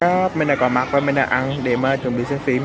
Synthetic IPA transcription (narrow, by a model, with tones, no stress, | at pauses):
aː˦p̚me˨˧nɗaː˨˩kɔ˨˩ma˨˩k̚vaː˨˦mi˨˩nɗa̰ː˨˧˩ʔa˧nɗe˧˩maː˨˩t͡ɕwənɓḭ˧˨sɨ˧˦ŋfi˧˦